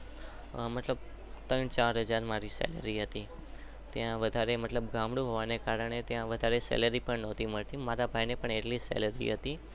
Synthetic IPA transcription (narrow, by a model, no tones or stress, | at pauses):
mət̪ləb̚ | t̪əɳt͡ʃaɾɦəd͡ʒaɾmaɾisɛ̰lə̰ɾiɦət̪i | t̪jãʋəd̪ʱaɾemət̪ləbɡãmɽũɦoʋanekaɾəɳet̪jãʋəd̪ʱaɾesɛ̰ləɾipəɳnɔt̪ʰiməɭt̪imaɾabʱajnepəɳeʈlisɛ̰ləɾḭɦət̪i